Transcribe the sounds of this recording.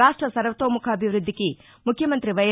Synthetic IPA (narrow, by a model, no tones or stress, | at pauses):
aːʂʈɾɐsɐɾʋɐt̪oːmukʰɐːbʱiʋɾud̪ʱːiki | mukʰjɐmɐnt̪ɾiʋɐj